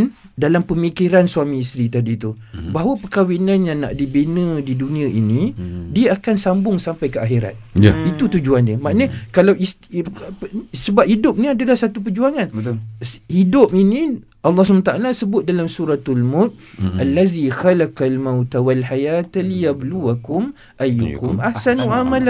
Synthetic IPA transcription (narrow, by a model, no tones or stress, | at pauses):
n | dalampəmikiɾansuamĩist̪ɾit̪adit̪u | baɦawəpəkawinanjaŋna̰ʔdibenə̃didunĩə̃ʔinĩdiaakansambʊŋsampajkəaxiɾa̰t̪̚it̪ut̪ud͡ʒuandəmaʔnəkalawis | səbap̚hidʊp̚nĩadalahsat̪up̬əd͡ʒuaŋan | hidʊp̚inĩ | ʔalːɑhsəmat̪aʔalasəbʊt̪̚dalamsuɾat̪almʊt̪̚alːazixalakalmawt̪awalħajat̪lijabluakʊm | ʔajːṵkʊmahsanwaʔamala